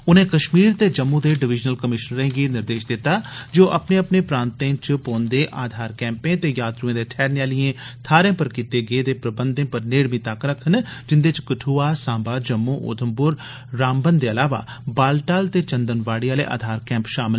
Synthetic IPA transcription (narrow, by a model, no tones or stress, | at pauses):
ʊnẽːkəʃmiːɾt̪eːd͡ʒəmːũːd̪eːɖɪʋɪd͡ʒnəlkəmɪʃənɾẽːɡeːnɪɾd̪eːʃd̪ɪt̪ːaːd͡ʒoːʔəpneːəpneːpɾãːnt̪ẽːt͡ʃpõːnd̪eːʔaːd̪ʱaːɾkɛ̃ːmpẽːt̪eːjaːt̪ɾuẽːd̪eːʈʰɛːɾnɪjaːlɪjẽːt̪ʰaːɾẽːpəɾkiːt̪eːɡeːd̪eːpɾəbənd̪ẽːpəɾneːɽʋĩːt̪akɾəkʰːənd͡ʒɪnd̪eːt͡ʃkəʈʰuːaːsãːmbaːd͡ʒəmːuːʔo̰ːt̪ʰəmpʊɾ | ɾaːmbənd̪eːəlaːʋa̰ː | baːlʈaːlt̪eːt͡ʃənd̪ənʋaːɽiaːlḛːʔa̰ːd̪ʱaːɾkɛ̃ːmpʃaːmɪ